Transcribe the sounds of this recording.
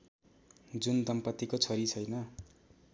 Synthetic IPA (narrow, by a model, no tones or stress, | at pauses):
d͡zund̪ʌmpʌt̪ːikot͡sʰʌɾit͡sʰʌjnʌ